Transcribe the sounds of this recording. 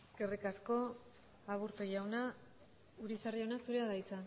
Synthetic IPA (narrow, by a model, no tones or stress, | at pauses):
skerikasko̞ | aβuɾt̪ojawna | uɾisariawnasuɾe̞aðajt͡sa